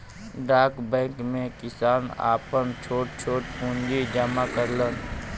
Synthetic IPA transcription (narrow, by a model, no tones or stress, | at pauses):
ɖaːkbɛ̃ːkmẽkɪsaːna̰ːpənt͡ʃʰoːʈt͡ʃʰoːʈpũːnd͡ʒid͡ʒamakəɾlən